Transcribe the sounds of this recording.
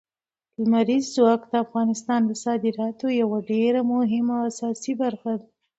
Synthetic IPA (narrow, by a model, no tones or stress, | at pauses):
ləmaɾizːwɑkd̪əafɣɑnɪst̪ɑnd̪əsɑd̪ɪɾɑt̪ojawaɖeɾamʊɦɪmaasɑsibaɾxad̪a